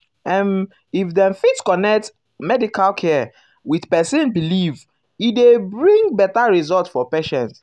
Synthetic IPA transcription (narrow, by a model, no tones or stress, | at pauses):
ɛ̃n | ifdɛ̃nfitskɔnɛk̚t | mɛdikalkʰɛ | wiðpɛsɛ̃nbiliv | idebɹĩŋbɛtaɹizɔltfɔpeʃɛ̃nt